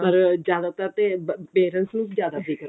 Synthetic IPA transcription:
ppəɾd͡ʒjaːd̪aːt̪ət̪eːpeːɾənsnũːd͡ʒjaːd̪aːzɪkəɾ

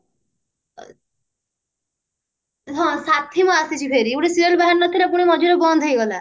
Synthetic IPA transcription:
ɦɔ̃sat̪ʰimɔasit͡ʃʰipʰeɾiuɽesiɾɔlbaɦanːɔt̪ʰiɾap̬uɽ̃emɔd͡ʒuɾɔbɔnd̪ʱɦojɡɔla

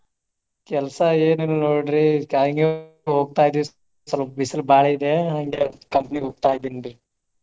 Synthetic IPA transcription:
kɛlsɐeːnenunoːɖɾiɦaŋɡe | ɦoːɡ̚t̪aːjid̪i | sɐlɐbisɐlbaːɭeid̪eɦaŋɡekɐmpniɦoːɡ̚t̪aːjid̪ind̪i

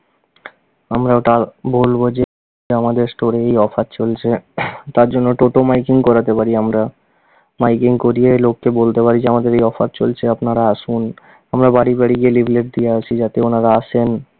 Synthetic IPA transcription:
amɾaʈabolbod͡ʑe | amad̪eɾsʈoɾeejɔfʰatt͡ɕolt͡ɕʰet̪aɾd͡ʑonːoʈoʈomajkiŋkɔɾat̪epaɾiamɾa | majkiŋkoɾielokːebolt̪epaɾid͡ʑeamad̪eɾejɔfʰat̚t͡ɕolt͡ɕʰeapnaɾaaʃun | amɾabaɽibaɽiɡielibʱleʈ̚d̪ijeat͡ɕʰid͡ʑat̪eonaɾaaʃʰen

